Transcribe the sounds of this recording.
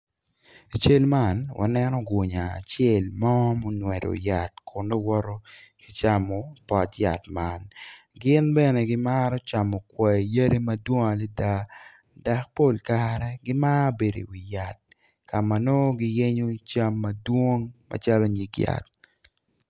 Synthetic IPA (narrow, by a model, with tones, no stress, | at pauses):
a˨t͡ʃe˦lma˦˨nwʔa̰˨nɛ˦nɔ˦ɡwo˨ɲaː˨t͡ʃjɛ˦˨lmɔ˦mo˦nwɛ˨ɾo̰˨ja˨tkʰo˨ndo˦wɔ˦ɾo˦ki˨t͡ʃa˦mɔ˨pɔ˨tja̰˨tma˦n | ɡɪ˦nbɛ˦nɛ˨ɡɪ˦ma˦ɾɔ˦t͡ʃa˨mɔ˨kwɛ˨je˦ɾe˦ma˦dwo˦ŋa˨li˦da˦ | da˨k̚po˦˨lkaɾɛ˦ɡɪ˦ma˦be˨do̰˨wi˨ja˨t̚ | ka˨ma˨no˦ɡɪ˦je˦ɲo˦t͡ʃa˦mːadwo˦ŋmʔa̰˨t͡ʃa˦lo˦ɲi˨˦kja̰˨t̚